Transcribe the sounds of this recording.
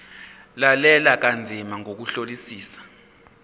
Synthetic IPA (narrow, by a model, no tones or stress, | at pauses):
lalɛlak̬and͡zʱimaŋok̬uɬolisiːsḁ